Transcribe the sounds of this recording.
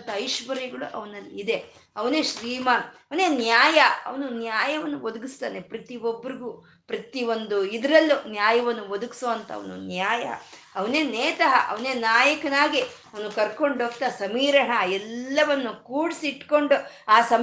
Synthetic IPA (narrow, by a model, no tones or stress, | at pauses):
t̪ɐɐjʃʋɐɾiɡɐɭuʔɐʋɐnɐlːiid̪e̞ | ɐʋɐneːʃɾiːmaːnɐʋɐneːnjaːjɐɐ̰ʋɐnunjaːjɐʋɐnːuʋod̪uɡist̪aːnepɾɐt̪iʋobːɐɾiɡuː | pɾɐt̪io̞nd̪uid̪ɐɾɐlːunjaːjɐʋɐnːuʋod̪uɡi̥soːɐnt̪ɐɐ̰ʋɐnṵnjaːjɐ̰ | ɐʋɐneːnɛːt̪ɐɦɐʔɐ̰ʋɐneːnaːjɐkɐnaːɡiɐʋɐnukɐɾko̞ɳɖoːkt̪ɐsɐmiːɾɐɳɐɛlːɐʋɐnːukuːɽisiːʈko̞ɳɖuaːsɐm